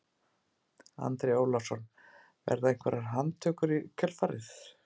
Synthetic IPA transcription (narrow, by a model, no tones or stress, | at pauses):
a̰nt̪ɾeoːwlasɔn | vɛ̰ɾðaeŋ̥kʰvɛɾaɾɦant̪ʰœːkʏɾicʰœlfaɾɪ̰θ